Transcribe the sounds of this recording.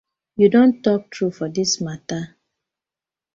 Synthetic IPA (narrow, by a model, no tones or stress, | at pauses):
judõntɔk̚tʰɹufɔdismata